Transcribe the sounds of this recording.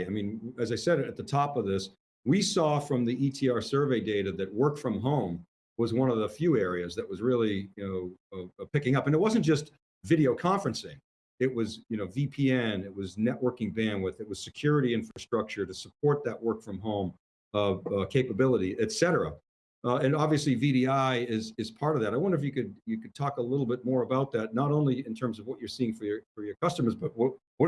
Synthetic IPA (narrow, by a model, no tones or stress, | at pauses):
aɪmĩnɨzaɪsɛɾɨt̪̚ðɨtʰɔpʌvðɪs | wisɔfɹʌ̃mðiʔitʰiɑɹsɜ˞veɪdeɪɾɨðɨt̚wɜ˞k̚tfɹʌ̃mɦõʊ̃m | wʌzwʌ̃nʌvðəfjʉɛɹiɨzðɨʔ̚wʌzɹɪlˠijɨnoʊpɪkɪ̃ŋʌpɨ̃ñɨt̚wʌzɨnd̥ʒ̥ʌst | vɪɾioʊkʰɑ̃ɱfɹɨ̃nsɪ̃ŋ | ɪt̚wʌzjɨnoʊvipʰiɛ̃nɨt̚wʌznɛʔwɜ˞kɪ̃ŋbæ̃nwɪðɨt̚wʌz̥sɨkʰj̥ʊɹɨɾiɪ̃ɱfɹɨstɹ̥ʌk̚t͡ʃə˞ɾɨsəpʰɔɹt̪̚ðɨʔ̚wɜ˞kfɹʌ̃mɦõʊ̃m | ʌkʰeɪpəbɪlˠəɾiʔɨtsɛɾə˞ə̰ | ɨ̃nɑbviɨsliviɾiaɪɪzɨz̥pʰɑɹɾʌvðæɾaɪwʌ̃ndə˞ɨfjɨkɨd̚jɨkɨd̚tʰɔkəlɪɾl̩ˠbɪt̚mɔɹəbaʊt̪̚ðæt̚ⁿnəɾõʊ̃nliɨ̃ntʰɜ̃˞mzʌvwʌt͡ʃə˞siɪ̃ŋfə˞jə˞fə˞jə˞kʰʌstəmə˞zbʌt̚wʌt̚wʌ